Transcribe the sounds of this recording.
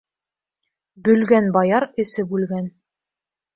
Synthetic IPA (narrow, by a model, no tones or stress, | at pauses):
bɵ̆lɡænbɑjɑɾɘ̆sɘbʉlɡæn